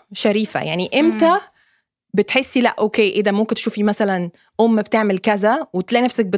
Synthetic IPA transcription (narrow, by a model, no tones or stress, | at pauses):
ʃæɾiːfæ̰jaʕniʔemt̪æ | bet̪ħesːilæʔʔokeːʔed̪æmomkent̪ʃuːfimæsælæn | ʔomːbt̪eʕmelkæzæwet̪læʔnæfsæk̚be